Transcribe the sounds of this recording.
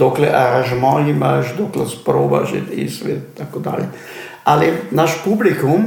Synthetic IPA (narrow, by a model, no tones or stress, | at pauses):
d̪oːklɛʔaɾaʒmɔlimaʒd̪oːklɛspɾoːba̰ʒḛt̪ḭsɛʋed̪t̪akod̪a̰ːljɛ | alinaʃpublikum